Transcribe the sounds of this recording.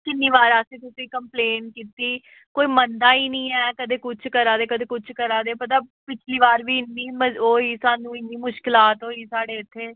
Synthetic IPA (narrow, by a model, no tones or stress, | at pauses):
kɪnːiːʋaːɾasĩːt̪ʊsĩːkəmpleːnkiːt̪iː | koːiːmənd̪aːiːnĩːɛːkəd̪eːkʊt͡ʃʰkəɾaːd̪eːkəd̪eːkʊt͡ʃʰkəɾaːd̪eːpət̪̬aːpɪt͡ʃʰliːʋaːɾʋiːɪnːiːməoːiːsaːnũːɪnːiːmʊʃkɪlaːt̪oːiːsaːɽeːɪt̪ʰːeː